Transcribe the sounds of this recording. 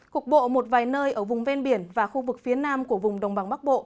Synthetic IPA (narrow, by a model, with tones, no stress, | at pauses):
ku˨˩ə˩k̚ɓo̰˧˨mo˨˩t̚vaː˨˩jnəː˧jʔəː˧˩vʊ˨˩ŋ͡mvɛ˧nɓi˧˩ənvaː˨˩xu˧vɨ˨˩k̚fi˨˦ənaː˧mku˧˩əvʊ˨˩ŋ͡mɗə˨˩wŋ͡mɓa˨˧˩ŋɓa˦˥k̚ɓo̰˧˨